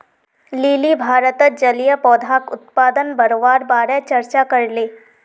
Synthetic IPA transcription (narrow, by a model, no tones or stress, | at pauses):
liːlibʱaːɾət̪əd͡ʒɐlijəpɔːd̪ʱaːkʊt̪̚paːd̪ənbɐɾoʋaːɾbaːɾɛt͡ʃɐɾt͡ʃakɐɾleː